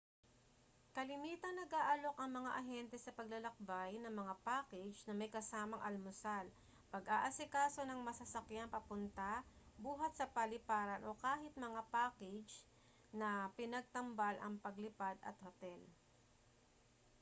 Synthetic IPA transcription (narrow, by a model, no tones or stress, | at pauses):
kɐlɪmiːt̪ɐnnɐɡʔaːʔɐlo̞kɐŋmɐŋaʔɐɦɛnt̪ɛsɐpɐɡlɐlɐk̚bajnɐŋmɐŋapaːkɛd͡ʒnɐmɐjkɐsaːmɐŋʔɐlmʊsal | pɐɡʔaːʔɐsɪkaːso̞nɐŋmɐsɐsɐkjampɐpʊnt̪abuːɦɐt̪̚sɐpɐlɪpaːɾɐnʔo̞kaːɦɪt̪̚mɐŋapaːkɛd͡ʒ | nɐpɪnɐɡ̚t̪ɐmbalʔɐ̰ŋpɐɡlɪpad̪ɐ̰t̪̚hot̪ɛl